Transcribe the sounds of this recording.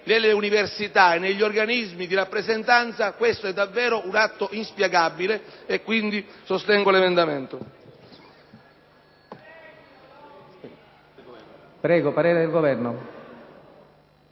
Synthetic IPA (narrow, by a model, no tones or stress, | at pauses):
nelːeuniversit̪aenːeʎːiorɡanizmid̪iɾapːɾezent̪ant̪sakwest̪oɛd̪ːavːɛːɾoʔunat̪ːoʔinspjeɡabileekːwind̪isost̪ɛŋɡolemend̪ament̪o | pɾɛːɡopaɾeːɾed̪elɡovɛrno